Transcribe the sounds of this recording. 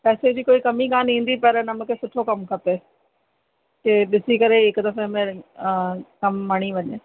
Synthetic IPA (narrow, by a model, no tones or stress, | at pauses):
pɛːsed͡ʑiːkoːikɐmikaːnĩːn̆d̪ipɐɾnɐmə̆kʰeːsʊʈʰokɐmkʰɐpe | keɗɪsikɐɾeɪkd̪ɐfẽmẽ | kɐmːaɽ̃iʋɐɲe